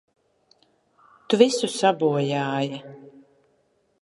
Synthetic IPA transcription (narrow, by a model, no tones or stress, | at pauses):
t̪uvisusabuɔjaːja